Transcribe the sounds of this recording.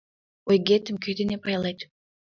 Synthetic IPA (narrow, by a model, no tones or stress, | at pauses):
ojɡʲet̪ɪmkʲʰød̪enepɑjɑlˠɑjt̪